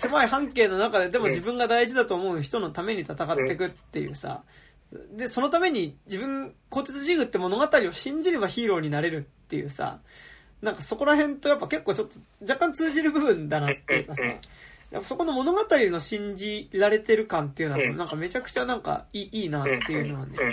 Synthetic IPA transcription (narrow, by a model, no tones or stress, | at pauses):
se̞maihãŋke̞ːno̞nakad̪e̞d̪e̞mo̞ʑibɯ̟̃ŋɡad̪aiʑid̪at̪o̞ːmo̞ɯ̟çi̥t̪ono̞t̪ame̞ɲ̟it̪at̪akat̪ːe̞k̬ɯ̟t̪ːe̞̰jɯ̟̰sa̰ | d̪e̞so̞not̪ame̞ɲ̟id͡ʑibɯ̟̃ŋko̞ːt̪e̞t͡sɨʑiɡɯ̟t̪ːe̞mo̞no̞ɡat̪aɾʲio̞ɕĩɲ̟d͡ʑiɾe̞baçiːɾo̞ːɲ̟inaɾe̞ɾɯ̟t̪ːe̞jɯ̟̰ːsa̰ | nãŋkaso̞ko̞ɾaɦẽ̞nt̪o̞japːake̞kːoːt͡ɕo̞t̪ːo̞d͡ʑakːãnt͡sɨːʑiɾɯ̟bɯ̟bɯ̟̃nd̪anat̪ːe̞jɯ̟kasa̰jʔa̰pːaso̞ko̞no̞mo̞no̞ɡat̪aɾʲino̞ɕĩɲ̟d͡ʑiɾaɾe̞t̪e̞ɾɯ̟kãnt̪e̞jɯ̟noonãŋkame̞t͡ɕakɯ̟̥t͡ɕanãŋka̰iːʔiːnat̪ːe̞jɯ̟no̞βanḛ